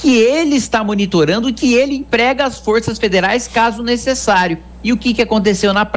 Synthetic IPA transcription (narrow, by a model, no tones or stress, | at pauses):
kɪelɪːst̪amonit̪oɾɐ̃nd̪ʊkɪelɪẽpɾɛɡɐɐsfoɾsɐsfed̪eɾajskazʊnesesaɾjʊ | ɪʊkɪkɪakõnt̪̬esewnɐp